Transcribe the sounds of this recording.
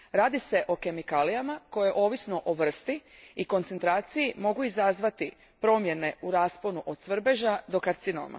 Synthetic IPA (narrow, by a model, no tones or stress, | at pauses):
ɾaːd̪ise̞ʔo̞ke̞mikaːlijamako̞jeʔo̞ːʋisno̞ʔoʋr̩st̪iiko̞nt̪se̞nt̪ɾaːt̪sijimo̞ɡuizazʋat̪i | pɾo̞ːmje̞ne̞uɾaːspo̞nuʔod̪̥sʋr̩be̞ʒad̪o̞kaɾt̪sino̰ːma̰